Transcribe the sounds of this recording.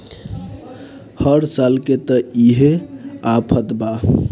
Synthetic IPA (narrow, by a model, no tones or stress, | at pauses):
həɾsalket̪əiɦeapʰət̪ba